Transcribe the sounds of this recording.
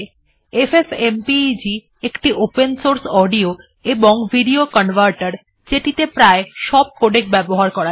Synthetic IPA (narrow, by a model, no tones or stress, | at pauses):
efefempid͡ʑi | ekʈiʔopensoɾsɔɖio | eboŋbʱiɖiokɔnʋʱaɾʈaɾ | d͡ʑeʈit̪epɾaeʃɔb̚koɖek̚bɛboɦaɾkɔɾa